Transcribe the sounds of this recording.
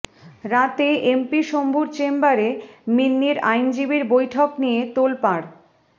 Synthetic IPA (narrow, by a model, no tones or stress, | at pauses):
ɾat̪eʔempiʃombʱuɾt͡ɕembaɾeminːiɾajnd͡ʑibiɾbojʈʰɔknijet̪olpaɽ